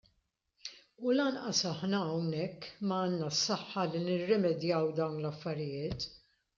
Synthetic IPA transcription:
ulɐnʔɐsɐħnɐːwnɛkːmɐɐːnːɐsːɐħːɐlinɪrːɛmɛd̪jɐwd̪ɐwnlɐfːɐɾɪjɪːt̪

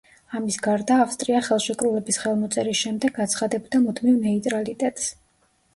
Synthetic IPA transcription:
amisɡaɾd̪aːfst̪ʼɾiaχɛlˠʃɛkʼɾulɛbisχɛlˠmɔt̪sʼɛɾisʃɛmd̪ɛɡat̪sʰχad̪ɛbd̪amud̪ʰmivnɛit̪ʼɾalit̪ʼɛt̪ʼs

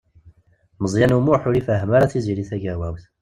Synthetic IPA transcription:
məzˤjænumuħuɾifæɦmaɾæθiziliθæɡæwæwθ

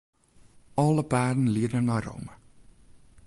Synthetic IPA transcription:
ɔlˠəpaːrdən̩liədənɔro̰wmə

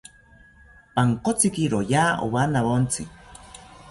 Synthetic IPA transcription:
paŋkot͡sikiɾojaːo̰βanaβont͡si

